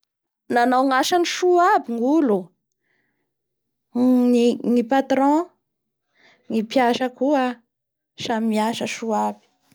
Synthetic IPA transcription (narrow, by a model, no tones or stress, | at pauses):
nanawŋaʃaniʃuabiŋulu | niŋipat̪ɾɔ̃ | ŋipjaʃəkua | samimiaʃəʃuabi̥